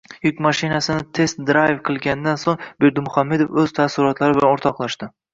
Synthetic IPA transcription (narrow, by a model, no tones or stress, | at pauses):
jʊkʲmaʃɪnasɪnɪt̪ʰe̞st̪d̪ɾajvqʰɨlˠɡʲanɪd̪ansoŋbe̞ɾd̪ɪmʊχamːe̞d̪ofɵz̥t̪ʰasɪɾɒt̪laɾɪbɪlanoɾt̪ʰɒqlˠaʃt̪ɪ